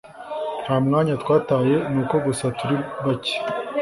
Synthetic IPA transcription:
hamŋaːɲatwaːtaːje̞nuːko̞ɡusatuɾiβace̥

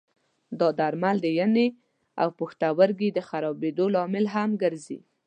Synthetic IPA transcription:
d̪ɑd̪aɾmald̪əjane | a̰wpoxt̪awəɾɡid̪əxaɾɑbed̪olɑmɪlɦamɡəɾzḭ

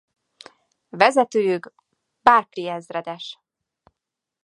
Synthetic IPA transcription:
vɛzɛt̪øːjyɡ | baːrkliɛzrɛd̪ɛʃ

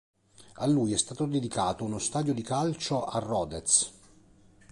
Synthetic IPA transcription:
alːujɛst̪aːt̪od̪ed̪ikaːt̪ounost̪aːd̪jod̪ikalt͡ʃoʔarːɔːd̪et̪s

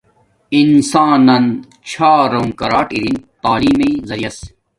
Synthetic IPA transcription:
insãːnɐn | t͡ɕʰaːɾɐŋkɐɾaːʈiɾint̪aːliːmɐizɐɾijɐs

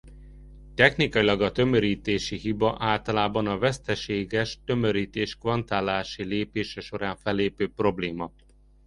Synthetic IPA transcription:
t̪ɛxnikɒilɒɡɒt̪ømøɾiːt̪eːʃiɦibɒʔaːlt̪ɒlaːbɒnɒvɛst̪ɛʃeːɡɛʃt̪ø̞møɾiːt̪eːʃkʋɒnt̪aːlaːʃileːpeːʃɛʃo̞ɾaːɱfɛlːeːpøːpro̞bleːmɒ

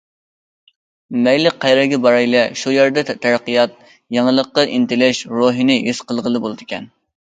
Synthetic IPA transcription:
mɛjlɪqʰːɑjɾɛɡʲɛbɑɾɑjlɛʃujɛɾd̪ɛt̪ʰæɾqːijɑt̪̚ | jɑŋəlˠəqːɑʔint̪ɪlɪʃɾoɦinɨjysqəlˠʁəlˠɨbolˠɨd̪ɨkʲʰɛn

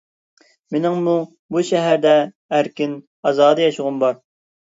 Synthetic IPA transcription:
mɪnɪŋmu | buʃɛɦæɾd̪ɛ | æɾkʲin | ɑzɑːd̪ɨjɑʃʊʁʊmbɑɾ

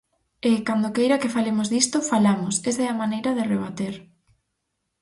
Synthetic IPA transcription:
ekand̪okejɾɐkɪfalemozðist̪ofalamʊsesɛɐmanejɾɐðɪreβ̞at̪eɾ

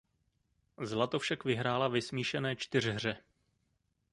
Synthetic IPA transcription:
zlat̪o̞fʃakvɪɦɾaːlavɪsmiːʃɛnɛːt͡ʃt̪ɪr̝ɦr̝ɛ

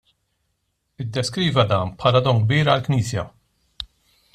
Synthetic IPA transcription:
ɪd̪ːɛskɾiːvɐd̪ɐːnpħɐːlɐd̪ɔːŋɡ̚biːɾɐlkniːsjɐ̰

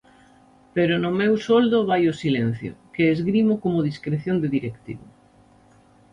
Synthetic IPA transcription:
peɾʊnʊmewsold̪ʊβajʊsilen̟θjo̰keːzɣɾimʊkomʊðiskɾeθjond̪eðiɾekt̪iβʊ

